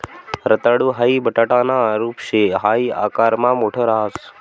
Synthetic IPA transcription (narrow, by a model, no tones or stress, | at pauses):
ɾət̪aɽuːɦaːiːbəʈaːʈaːnaːɾuːpʃeɦaːia̰ːkaːɾmãːmoːʈʰoːɾaɦs